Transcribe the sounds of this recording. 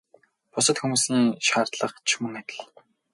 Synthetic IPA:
pʊsə̆t̪xumuːsniːŋʃaːrt̪ɮə̆χt͡ɕʰmɵ̆ŋæt̪ʲɪ̆ɮ

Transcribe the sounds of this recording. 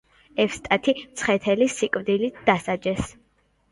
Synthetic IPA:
ɛfst̪ʼat̪ʰit̪sʰχɛt̪ʰɛlisikʼwd̪ilit̪̚ʰd̪̥asad͡ʒɛs

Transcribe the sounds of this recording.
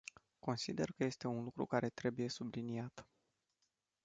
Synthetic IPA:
ko̞nsid̪e̞rkəje̞st̪e̞unlukɾṵkaɾe̞t̪ɾe̞buje̞subliniat̪

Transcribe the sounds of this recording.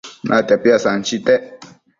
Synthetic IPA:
nʔa̰t̪apjasant͡ʃit̪ɛ

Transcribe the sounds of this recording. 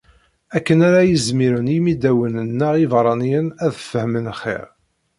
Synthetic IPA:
ækːənæɾæjəzmiɾənjmid̪æwənənːəʁivɾˤɑnijənæðfəhmənχḛɾ

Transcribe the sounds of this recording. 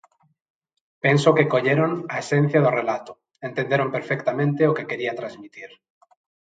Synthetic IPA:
pensokekoʎeɾonaesẽn̟θjað̞orelat̪o̥ | ẽnt̪end̪eɾompeɾfekt̪amẽnt̪eokekeɾiat̪ɾazmit̪iɾ

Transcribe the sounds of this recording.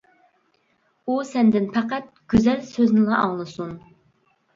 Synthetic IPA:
usɛnd̪ɪnpʰɛqæt̪̚ɡ̥ʲyzɛlsøznɪlɑʔɑŋlˠɨsun

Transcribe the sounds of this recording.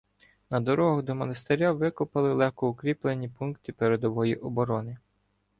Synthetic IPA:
nɐd̪ɔɾɔɦʊd̪ɔmɔnɐst̪eɾʲaʋɪkʊpɐlˠɪlˠɛxkɔʊkɾʲiplˠenʲːipunkt̪ɪpeɾed̪ɔʋɔjiʔɔbɔɾɔnɪ

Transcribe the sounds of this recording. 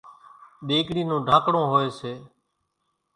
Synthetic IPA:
ɗeːkɽiːnõːɖʱãːkɽõːɦoːeːseː

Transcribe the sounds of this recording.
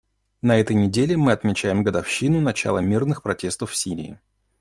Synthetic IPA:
nɐɛt̪əjnʲɪdʲelʲɪmɨɐt̪mʲɪt͡ɕæjɪmɡəd̪ɐfɕːinʊnɐt͡ɕa̰lˠəmʲirnɨxpɾɐtʲe̞st̪əfːsʲiɾʲɪ̰ɪ̰

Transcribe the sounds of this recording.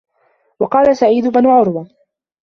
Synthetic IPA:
wɑqɑːlasaʕiːd̪ʊbanʊʕʊɾˤwa

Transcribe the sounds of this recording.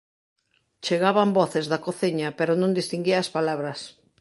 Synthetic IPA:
t͡ʃeɣaβambɔθezðakoθiɲɐpeɾonõnd̪ist̪iŋɡiɐːspalaβɾɐs

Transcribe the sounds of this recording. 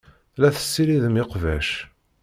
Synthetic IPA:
læθə̥sːiɾiðəmiqvæʃ

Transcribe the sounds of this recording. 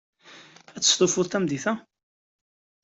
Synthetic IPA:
æt͡sːə̥st̪ˤofʊɾt̪æmd̪iθæ

